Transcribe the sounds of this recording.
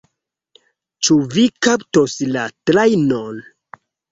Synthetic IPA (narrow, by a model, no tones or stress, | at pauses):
t͡ʃuvikaptoslatɾajnon